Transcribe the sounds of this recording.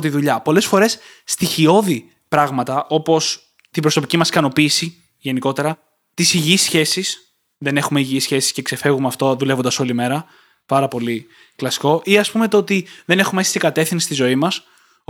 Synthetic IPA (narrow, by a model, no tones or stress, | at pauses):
t̪iðuʎɐpo̞le̞sfo̞ɾe̞sː | t̪içio̞ði | pɾɐɣmɐt̪ɐʔo̞po̞s | t̪ibɾo̞so̞picimɐskɐno̞piːsi | ʝe̞niko̞t̪e̞ɾɐ | t̪isiʝisçe̞sis | ðe̞ne̞xume̞iʝiisçe̞si̥sce̞kse̞fe̞ɣumeɐft̪oðule̞vond̪ɐso̞lime̞ɾɐ | pɐɾɐpo̞li | klɐsi̥ko̞ʔiɐspume̞t̪oot̪iðe̞ne̞xumeesi̥siɡɐt̪e̞fθinsi̥st̪izo̞imɐs